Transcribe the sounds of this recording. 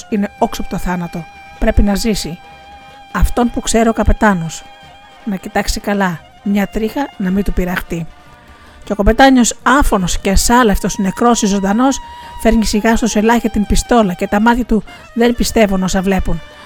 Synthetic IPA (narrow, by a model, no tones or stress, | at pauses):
sine̞o̞ksoɐpot̪oθɐnɐt̪o̞ | pɾe̞pinɐzisi | ɐft̪o̞npukse̞ɾiokɐpe̞t̪ɐno̞s | nɐcit̪ɐksikɐlɐ | mɲɐt̪ɾixɐnɐmit̪upiɾɐxt̪i | ceo̞ko̞pe̞t̪ɐɲo̞sɐfo̞no̞scesɐlɐft̪o̞sne̞kɾo̞sizo̞nd̪ɐno̞sfe̞ɾɲisiɣɐst̪ose̞lɐçɐt̪impist̪o̞lɐce̞t̪ɐmɐt̪çɐt̪u | ðe̞npist̪e̞vuno̞sɐvle̞pun